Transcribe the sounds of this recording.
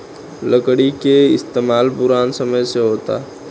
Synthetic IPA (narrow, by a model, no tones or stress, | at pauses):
ləkɽikeɪst̪eːmaːlpʊɾaːnsɐməjseɦoːt̪a̰ː